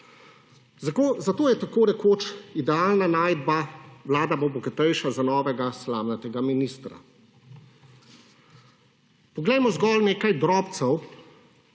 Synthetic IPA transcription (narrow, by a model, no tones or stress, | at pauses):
zkozat̪oːjɛt̪akoːnɛkoːt͡ʃid̪ɛaːlnanaːjd̪baʋlaːd̪abobɔkɛt̪ɛjʃazanɔːʋɛɡaslaːmnat̪ɛɡaminist̪ɾa̰ | pɔɡlɛjmɔzɡɔlneːkajd̪ɾɔːpt̪sɛw